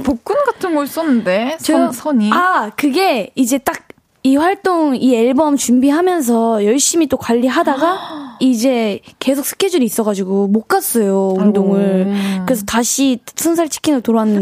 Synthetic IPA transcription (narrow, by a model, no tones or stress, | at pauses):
pok͈unɡatʰɯnɡʌɭs͈ʌnːɯnde̞st͡ɕʌsʰʌɲiakɯɡe̞id͡ʑe̞t͈ak̚ | iɸwaɭt͈oŋieɭbʌmt͡ɕumbiɦamjʌns̬ʰʌjʌɭɕ͈imit͈okwaʎːiɦadaɡaid͡ʑe̞ke̞sʰok̚s͈ʰɯ̥kʰʌd͡ʑuɾiːs͈ʌɣad͡ʑiɡumok͈as͈ʌjoundoŋɯɭkɯɾesʰʌtaɕʰisʰʌnsʰaɭt͡ɕʰi̥kʰinɯtoɾʌanːɯ